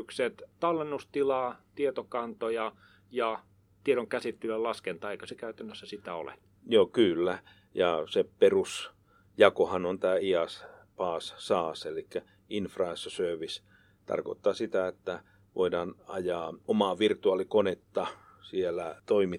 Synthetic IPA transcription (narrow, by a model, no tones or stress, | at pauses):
ykset̪t̪ɑlːenːust̪ilɑːt̪iet̪okɑnt̪ojɑ | jɑ | t̪ieɾoŋkæsit̪ːiløllɑskent̪ɑːeikø̥sekæyt̪ænːøsːæsit̪æo̰lḛ | joːkylːæ | jɑseperus | jɑkohɑnont̪æːiɑspɑːssɑːselikːæ | infrɑesːɑsøːʋis | t̪ɑ̰rko̰t̪ːɑːsit̪æet̪ːæ | ʋʔo̰idɑːnɑ̰jɑːomɑːʋirt̪uɑlikonet̪ːɑ | sielæt̪oimi